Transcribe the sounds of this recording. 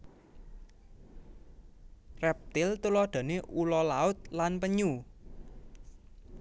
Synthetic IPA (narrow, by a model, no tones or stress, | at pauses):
rɛp̚t̪ɪlt̪ulɔɖ̪̥ä̤neʔulɔlaʊt̪̚lanpəɲu